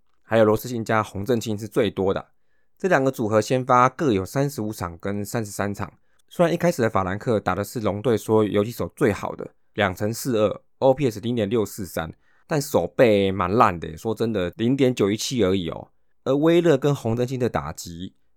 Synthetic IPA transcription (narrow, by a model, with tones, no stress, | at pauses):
xa˧˥ɪjlwɔ˧˥s̩˥˧ɕi˥˩nt͡ɕja˦xʊ˧˥ŋt͡sə˥˧ŋɕi˥˧nʂ̬ɻ̩˥˧t͡swe˥˩ɪt̪wɔ˥d̪ə̰˨˩ | t͡sɤ˥˩ljɑ˨˩ŋɡə˧˦t͡su˨˩xɤ˧˥ɕjɛ˥nfa˦kɤ˥˧˩jo˨˩ʊsa˥nʂɻ̩˧˥u˧˩t͡sʰɑ˨˩ŋkə˦nsa˦˥nʂ̬̩˧˥sa˦˥nt͡sʰɑ̰˨˩ŋ | swe˥ɻa˧˦ni˥kʰa˥ɪʂɻ̩˨˩d̪ə˦fa˨la˧˥nkʰɤ˥˩t̪a˨˩d̪ə˦ʂɻ̩˥˩lʊ˧˥ŋt̪we˥˩ɪswɔ˥jo˧˥t͡ɕʰi˧˥ʂo˨˩ʊt͡swe˥˩ɪxɑ̰˨˩ʊd̪ə̰˦ | ljɑ˨˩ŋt͡sʰə˧˥˦ŋsɹ̩˥˧ə˥˩ | o˥ʊpʰi˥˧˥s̩˨˩li˧˥ŋt̪jɛ˨˩nljo˥˧ʊsɹ̩˥˩sa̰˦˥n | t̪a˥˧n˥ʂo˨˩ʊpe˥˩ɪma˧˦nla̰˥˩nd̪ə̰˨˩˨ʂwɔ˥t͡sə˦nd̪ə˨li˧˥ŋt̪̬jɛ˧˦nt͡ɕjo˨˩i˧˥t͡ɕʰi˥˩ə˧˥i˨˩ɔ̰˨˩ | ə˧˥we˥ɪlɤ˥˩kə˦nxʊ˧˥ŋt͡sə˥˧nɕi˥˩nd̪ə˨t̪a̰˨˩t͡ɕi˧˨˦